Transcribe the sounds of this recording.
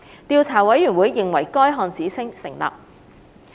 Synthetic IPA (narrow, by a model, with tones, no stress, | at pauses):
t̪iː˧wt͡sʰaː˨˩wɐ˨˥jːyː˨˩nwuː˨˥jːɪ˨ŋwɐ˨˩jkɔː˥jɦɔː˧nt͡siː˨˥t͡sʰɪ˥ŋsɪ˨˩ŋla̰ː˨p̚